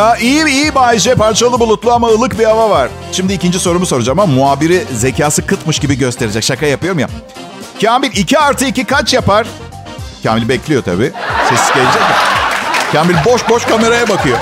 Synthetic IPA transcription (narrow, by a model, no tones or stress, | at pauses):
aʔijiijibaːid͡ʒɛpaɾt͡ʃʰalˠɯbulˠut̪lˠuamaɯlˠɯkbiavavaɾ̥ | ʃimd̪iːcind͡ʒiso̞ɾumuso̞ɾud͡ʒamamːuaːbiɾize̞cʰaːsɯkʰɯt̪mɯʃɟibiɟø̞st̪ʰe̞ɾed͡ʒɛcʃakɾajapɯjo̞ɾumja̰ | cʰaːmilʲicʰiaɾt̪ʰɯicikʰat͡ʃjapaɾ̥ | cʰa̰ːmilʲibɛclʲijo̞t̪ʰa̰biːsesizɟelʲid͡ʒɛcmacʰaːmilʲboʃbo̞ʃkame̞ɾajabakɯjo